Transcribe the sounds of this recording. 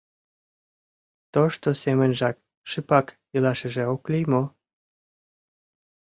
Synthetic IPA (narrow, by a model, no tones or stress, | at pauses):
t̪oʃt̪osemənʒɑk̚ | ʃɨpɑk | ilɑʃə̆ʒĕoklijmo